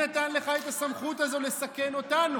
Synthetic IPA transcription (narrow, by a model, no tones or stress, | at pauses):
at̪anle̞χaet̪asamχut̪azo̞le̞sake̞no̞t̪anu